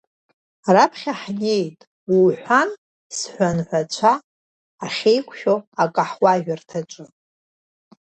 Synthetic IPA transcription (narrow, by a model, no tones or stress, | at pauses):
rapʰχʲaħne̞jtʼ | wuħʷan | sħʷanħʷat͡ɕʷʰaː | χʲejkʷʰʼʃoakʼaħwaʒᶣartʰat͡ʃʷʼɨ